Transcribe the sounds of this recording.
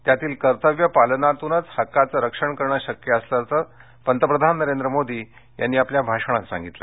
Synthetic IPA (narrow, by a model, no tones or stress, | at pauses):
t̪jat̪iːlkəɾt̪əʋjəpalənat̪unət͡shəkːat͡səɾəkʂəɳkəɾɳaɕəkjəːslaɾt͡sə | pənt̪əpɾəd̪ʱanːəɾend̪ɾəmod̪ʱiː | ja̰nːiːapljabʱaʂəɳ̃asã̰ŋɡit̪la̰